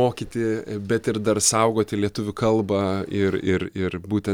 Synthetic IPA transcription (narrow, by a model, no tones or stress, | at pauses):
oːkʲit̪ʲɪbʲɛt̪ɪɾd̪ɐɾsɐʊɡoːt̪ʲɪlʲiɛt̪ʊʋʲʊkɐlˠbɐɪɾɪɾɪɾbuːt̪ʲɛ